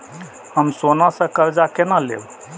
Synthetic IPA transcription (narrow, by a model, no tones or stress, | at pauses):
həmsonasə̃kəɾd͡ʒakenəlḛb